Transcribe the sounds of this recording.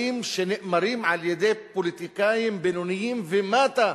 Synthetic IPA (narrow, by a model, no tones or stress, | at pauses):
imʃenɪʔʔmaɾimʕaljed̪ejpolit̪ikajimbenonijimvemat̪a